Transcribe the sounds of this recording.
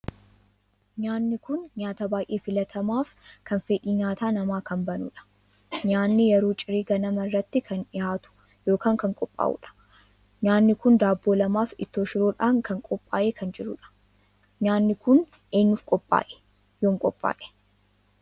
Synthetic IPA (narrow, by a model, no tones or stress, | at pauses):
ɲaːnːɪkʊnɲaːt̪ɐbaːʔʼeːfɪlɐt̪ʰɐmaːfkɐnfeːᶑiːɲaːt̪aːnɐmaːkɐnbɐnṵᶑɐ̥ | ɲaːnːɪjɛɾoːt͡ʃʼɪɾiːɡɐnɐmɐrːɐt̪ːɪkʰɐnᶑɪjaːt̪ʊ̥ | joːkaːŋkɐŋkʼɔpʼːa̰ːʔṵᶑɐ̥ | ɲaːnːɪkʊnd̪aːbːo̞ːlɐmaːfɪt̪ːoːʃɪɾoːᶑaːŋkɐŋkʼɔpʼːaːʔeːkʰɐnd͡ʒɪɾʊ̰ᶑɐ̥ | ɲaːnːɪkʊn | ʔe̞ːɲːʊfkʼɔpʼːa̰ːʔɛ̥ | joːŋkʼɔpʼːa̰ːʔɛ̥